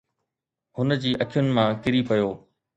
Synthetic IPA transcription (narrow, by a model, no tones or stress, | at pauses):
hʊn̆d͡ʑiːʔɐkʰijʊnɪ̆mãkɪɾipɐjoː